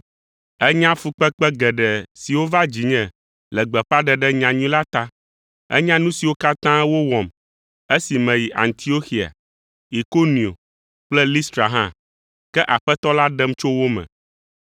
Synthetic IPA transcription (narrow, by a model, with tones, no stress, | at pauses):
ɛ˦ɲã˦fu˦k͡pɛ˦k͡pɛ˦ɡɛ˨ɖɛ˨si˨wo˦va˦d͡ʑi˨ɲɛ̃˨ | lɛ˨ɡ͡bɛ˨ɸa˦ɖɛ˨ɖɛ˦ɲã˨ɲũ˦la˦t̪a˦ | ɛ̰˦ɲã˦nũ˦si˨wo˦ka˦t̪ã˦wo˦wɔ̃˨m | e˦si˨mɛ̃˨ji˨ʔa̰˨nt̪ʰi˨o˦xi˨a̰˨ | i˨ko˦nĩ˨o̰˨ | k͡plɛ˦li˦st̪ɾa˨ɦã˦ | kɛ˦ʔa˨ɸɛ˦t̪ɔ˦la˦ɖɛ˦mt͡ʃo˦wo˦mɛ̰̃˨